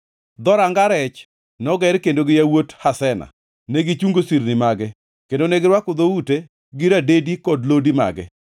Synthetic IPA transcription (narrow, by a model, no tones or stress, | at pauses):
d̪ɔɾaŋɡaɾɛt͡ʃ | nɔɡɛɾkendoɡɪjawothasɛna̰ | nɛɡit͡ʃuŋɡosiɾnɪmaɡɛ | kendonɛɡɪɾwakʊd̪oute | ɡɪɾadedikɔdlodima̰ɡɛ̰